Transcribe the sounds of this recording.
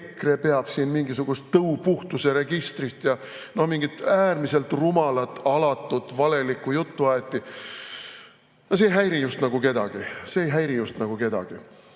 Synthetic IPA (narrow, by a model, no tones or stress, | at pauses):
kre̞pe̞ɑb̥siːnmiŋɡ̥isuɡ̥ust̪ːɤupuht̪use̞ɾe̞ɡ̥ist̪rit̪ːjɑ | no̞hmiŋɡ̥it̪ːˑæːrmise̞lt̪rumɑlɑt̪ːˑɑlɑt̪ːˑut̪vɑle̞likːˑujut̪ːuɑet̪ˑːi | ɑs̬eːjɦæjɾijust̪nɑɡ̥uke̞d̪̥ɑɡ̥ise̞ːjɦæjɾijust̪nɑɡ̥uke̞d̪̥ɑ̰ɡ̥i